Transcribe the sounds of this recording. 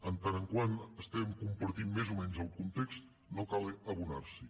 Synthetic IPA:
ənt̪anəŋkwanəst̪ɛmkumpəɾt̪immːezumɛnzəlˠkunt̪ekst̪ | nokaləβuna̰ɾsi

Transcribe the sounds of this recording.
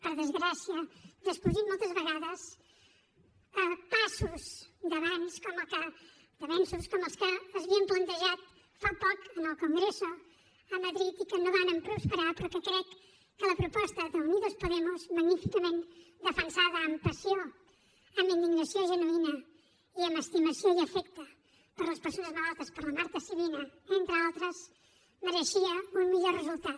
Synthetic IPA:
pɐɾɐðɨzɣɾasjɐðɨʃkuðiɾmũjt̪ɐzβɐɣaðɐʃ | apasuzðɐβãnʃkomɐka | d̪ɐβẽnsuʃkomɐʃkɨɐzβiɐ̃mplˠɐ̃nt̪eʒat̪ | fapɔkɐnawkõŋɡɾesu | ɐmɐðɾiðikɨnɐvanɐ̃mpɾuʃpɨɾaɾpuɾkekɾejː | ələpɾupɔst̪əðəuniðəlˠspuðemuzməɣnifikəmẽnt̪d̪əfənsaðəːmpəsjo | əmind̪iɣnəsjoʒənuinɐ | iəməst̪iməsjoiəfɛk̚t̪ə | pəɾləspəɾsonəzməlat̪əspəɾlɐmaɾt̪əsiβilɐent̪ɾəalˠt̪ɾəz | məɾəʃiəummiʎɔrəzulˠt̪at̪

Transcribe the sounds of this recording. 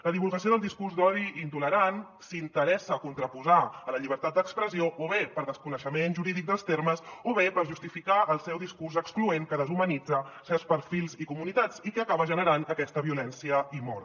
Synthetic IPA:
ləðiβulˠɣəsijoðəlˠd̪iskurzd̪ɔðiind̪uləɾan | sint̪əɾɛsəkunt̪ɾəpuzaːləʎiβ̞əɾt̪at̪d̪əkspɾəzioʔoβepəɾðəskunəʃəmenʒuɾiðik̚d̪əlˠst̪erməsoβepəɾʒust̪ifikaəlˠsɛwðiskurzəksklueŋkəðəzumənid͡zəsɛwspəɾfilˠzikumunit̪at͡sikəkaβəʒənəɾanəkɛst̪əβiulɛnsiəimɔɾ

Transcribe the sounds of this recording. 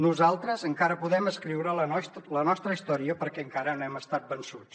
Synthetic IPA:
nuzalˠt̪ɾəzəŋkaɾəpuðɛməskɾiwɾələlənɔst̪ɾəist̪ɔɾiəpəɾkɛəŋkaɾənoɛməst̪at̪̚bənsut͡s

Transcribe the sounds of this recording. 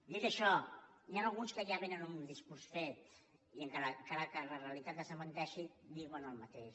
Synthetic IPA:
d̪it̪əʃɔnianəlˠɣunskəjaβenənumud̪iskuɾsfet̪ | iəŋkaɾəŋkaɾəkərləreəlit̪at̪̚əsəmənt̪ɛʃid̪iɣwənəlˠmət̪eʃ

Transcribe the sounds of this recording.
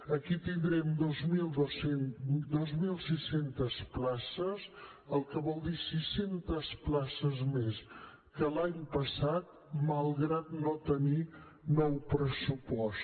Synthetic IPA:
əkit̪ind̪ɾɛmd̪ozmilˠd̪osend̪ozmilˠsisent̪əsplasəz | əlˠkəβɔlˠd̪isisent̪əsplasəzmes | kəlaɲpəsat̪̚ | məlˠɣɾat̪not̪əni | nɔwpɾəsupɔs

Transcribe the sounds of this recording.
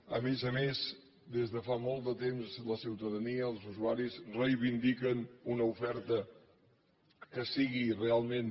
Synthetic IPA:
əmezəmez | d̪ezðəfamolˠt̪d̪ət̪emzləsiwt̪əðəniəːlˠzuzuaɾizrəjβind̪ikənunəufɛɾt̪ə | kəsiɣirealˠmen

